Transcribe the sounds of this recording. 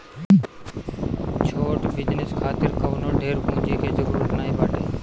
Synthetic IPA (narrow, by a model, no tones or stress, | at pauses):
t͡ʃʰoːʈʋɪd͡ʒnɪskʰaːt̪ɪɾkəʋnoːɖʱeːɾkũːd͡ʒeːkʰeːzəɾuːɾət̪naːɦiːbaːʈeː